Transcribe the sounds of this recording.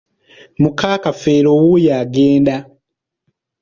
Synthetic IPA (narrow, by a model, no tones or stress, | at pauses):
mukaːkafeːɾowujaɡeːnda